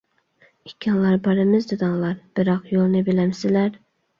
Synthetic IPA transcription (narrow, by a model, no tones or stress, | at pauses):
ikʲʰːɑnlˠɑɾbɑɾɨmɪzd̪ɨd̪ɑŋlˠɑɾb̥ɪɾɑqjolˠnɨbilɛmsɪlæɾ